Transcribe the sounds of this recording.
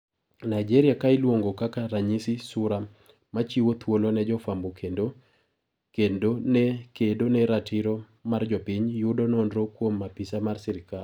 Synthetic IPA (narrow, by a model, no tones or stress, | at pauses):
najd͡ʒeɾɪjakaɪlwoŋɡokakaɾaɲisisʊɾa | mat͡ʃiwot̪ʰwolonɛd͡ʒɔfambokʰendo | kendonɛkedonɛɾatʰiɾo | mard͡ʒɔpɪɲjʊdonɔndɾokwomːapisamarsɪɾɪkal